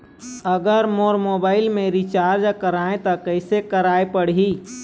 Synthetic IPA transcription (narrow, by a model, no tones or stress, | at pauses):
əɡəɾmoːɾmoːbaːɪlmẽɾit͡ʃaːɾd͡ʒakəɾaːẽt̪ɔkəɪsekəɾaːepəɽ̤i